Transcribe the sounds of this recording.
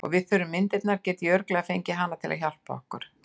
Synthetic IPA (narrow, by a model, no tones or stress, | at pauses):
ɔ̰ɣvɪðθʏɾʏmːɪnt̪ɪt̪naɾcɛːt̪iœɾklɛɣafejɲcɪɦanːat̪ʰɪla̰ðçal̥pa̰ɔ̰hkʏɾ̥